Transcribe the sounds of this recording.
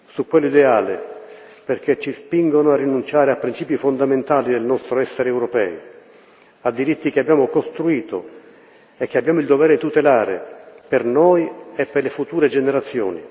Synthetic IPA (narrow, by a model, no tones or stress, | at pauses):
sukwelːoid̪eaːle | perk̟et͡ʃːispiŋɡonoarːinunt͡ʃaːɾeapːɾint͡ʃiːpjifond̪ament̪aːlid̪elnɔst̪ɾoɛsːeɾeɛːwɾɔpɛ̰ːi | ad̪ːiɾit̪ːikeabːjaːmʊkost̪ɾuiːt̪o̰ | ɛk̟ːeabːjaːmʊild̪ovɛːɾet̪ut̪elaːɾḛpernojepːerlefut̪uːɾed͡ʒeneɾat̪sːjo̰ːni